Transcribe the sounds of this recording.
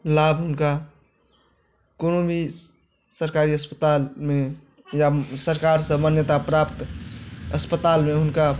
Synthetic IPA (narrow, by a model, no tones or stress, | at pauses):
laːbʱɦʊnka | koːnõbʱi | səɾkaːɾiəspət̪aːlmẽ | jasəɾkaːɾsəmənjət̪apɾaːpt̪ | əspət̪aːlmẽɦʊnka